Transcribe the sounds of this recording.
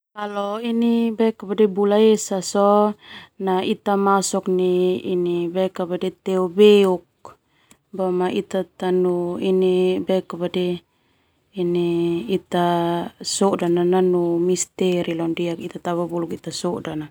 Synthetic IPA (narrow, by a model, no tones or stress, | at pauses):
kalɔinibɛkabadɛbulaesasɔ | nait̪amasɔk̚niinibɛkabadɛt̪ɛɔbeuk̚ | bamaʔit̪at̪anuinibɛkabadɛ | iniːt̪asɔdanananumist̪ɛɾilɔndiakit̪at̪aβabulukit̪asɔdana